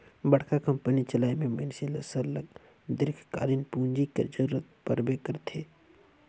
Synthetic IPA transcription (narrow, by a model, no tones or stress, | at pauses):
bɐɽ̤kakɐ̃mpənit͡ʃɐlaːemẽmɪnselɐsəɾləɡ | d̪ɪɾkʰka̰ːɾɪnpuːnd͡ʒikḛd͡ʒəɾuːɾət̪̚pɐɾbekɐɾt̪ʰeː